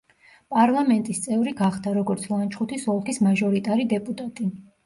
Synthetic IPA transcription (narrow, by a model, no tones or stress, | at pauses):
pʼaɾlˠamɛnt̪ʼist̪sʼɛvɾiɡaχd̪aɾɔɡɔɾt̪sʰlˠant͡ʃʰχut̪ʰisɔlˠkʰismaʒɔɾit̪ʼaɾid̪ɛpʼut̪ʼat̪ʼi